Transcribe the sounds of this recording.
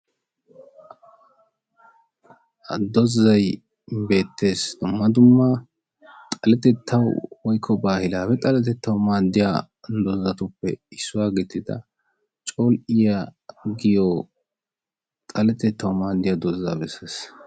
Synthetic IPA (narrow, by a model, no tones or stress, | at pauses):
ɐd̪ɔzːɐj | be̞ːt̪ːe̞ːsd̪̥ʊmːɐd̪ʊmːɐ | t̪ʼɐlɛt̪ɛt̪ʰːɐwwɔjkʰːɔbaːhɪlaːpɛt̪ʼɐlɛt̪ɛt̪ːɐwmaːd̪ːɪja̰ː | d̪ɔzːɐt̪ʊpːɛ̰ɪsːʊwaːɡɪt̪ːɪd̪ɐ̰ | t͡ʃʼolʔɪjɐɡɪjo | t̪ʼɐlɛt̪ɛt̪ʰːɐwmaːd̪ːɪjaːd̪ɔzːa̰ːbɛsːeːs